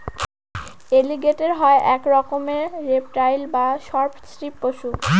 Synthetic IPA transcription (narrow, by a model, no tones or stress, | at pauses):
eliɡeʈeɾɦɔeʔɛkɾɔkomeɾep̚ʈajlbaʃɔɾpsɾipːoʃu